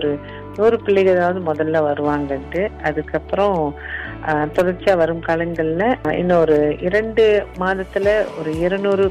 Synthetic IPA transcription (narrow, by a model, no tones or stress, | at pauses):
ɔɾɯ | nuːɾɯpɪɭːɪɣɯɐðaːʋɐðɯmɔðɐlːaːʋɐɾɯʋaːŋɡɐʈːɯɐðɯkːɐpːɯɾɔ̃ | t̪ɔɽɐɾt͡ʃaːʋɐɾɯmkaːɭɐŋɡɐɭɪlɐɪ̰nːɐɔɾɯɪɾɐɳɖɯmaːðɐt̪ːɯlɐɔɾɯɪɾɐnuːɾɯ